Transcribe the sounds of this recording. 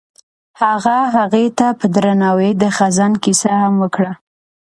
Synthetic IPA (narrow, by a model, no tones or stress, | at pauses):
haɣaɦaɣet̪apəd̪ɾanɑwed̪əxazankisahamwəkɽa